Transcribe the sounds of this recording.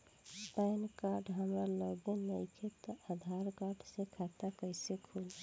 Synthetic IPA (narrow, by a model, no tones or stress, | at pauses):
pajnkaɾɖɦəmɾaləbenəjkʰet̪əʔad̪ʱaɾkaɾɖsekʰat̪akəjsekʰul